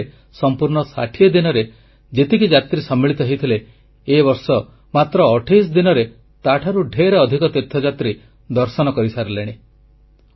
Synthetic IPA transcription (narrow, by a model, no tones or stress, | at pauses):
sɔmpuɾɳ̃ɔsa̰ʈʰied̪inɔɾe | d͡ʒet̪ikid͡ʒat̪ɾisɔmːiɭit̪ɔɦejt̪ʰileː | bɔɾsɔ | mat̪ɾɔːʈʰejs̬d̪inɔɾe | t̪aʈʰaɾuɖʱeɾeɔd̪ʱikɔt̪et̪ʰːɔd͡ʒat̪ɾi | d̪ɔɾsɔnɔkɔɾisaɾleɽ̃i